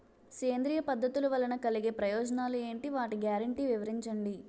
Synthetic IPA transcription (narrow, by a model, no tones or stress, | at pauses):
ke̞ːnd̪ɾiːjɐpɐd̪ʱːɐt̪ulɐʋɐlɐnɐkɐliɡe̞ːpɾɐjɔːd͡ʒɐnaːlue̞ːɳʈiʋaːʈiɡjaːɾɐɳʈiːʋiʋɐɾiɲt͡ʃɐɳɖi